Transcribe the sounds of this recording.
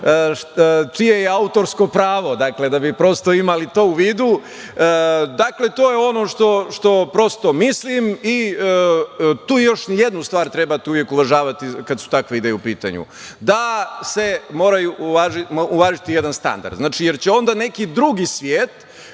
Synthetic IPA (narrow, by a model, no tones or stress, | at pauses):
t͡ʃijejeaut̪o̞ɾsko̞pɾaːʋo̞d̪akle̞d̪abipɾo̞st̪o̞imalit̪o̞ːuʋiːd̪u | d̪akle̞t̪o̞ːjeo̞noʂt̪o̞ʃt̪o̞pɾo̞st̪o̞mislimi | t̪uːjo̞ʃnijed̪nust̪ʋaːɾt̪ɾebat̪uʋjekuʋaʒaːʋat̪ikad̪su̥t̪akʋeid̪ejeupiːt̪a̰ɲṵ | d̪ase̞mo̞ːɾajuʔʋaːʒiːʋaːʒit̪ijed̪anst̪a̰nd̪a̰ɾd̪znaːt͡ʃijeɾt͡ɕeo̞nd̪ane̞kid̪ɾuɡisʋjeːt̪